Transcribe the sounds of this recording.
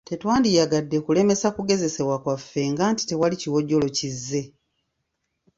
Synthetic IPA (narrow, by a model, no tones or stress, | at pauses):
te̞twaːndijaɡadːekule̞me̞sakuɡe̞ze̞se̞βwakwafːe̞ŋɡaːnti̥te̞waliciwo̞ɟːo̞lo̞cizːe̞